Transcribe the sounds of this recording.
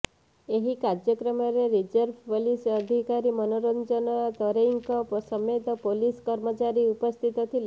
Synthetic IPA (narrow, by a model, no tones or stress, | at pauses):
eɦikaɾd͡ʒjɔkɾɔmɔɾeɾid͡ʒəɾbʱpolisəd̪ʱikaɾimɔnoɾɔnd͡ʒɔnɔd̪ɔɾeŋkɔpɔsɔmet̪ɔpoliskɔɾmɔt͡ʃaɾiupɔst̪ʰit̪ɔt̪ʰil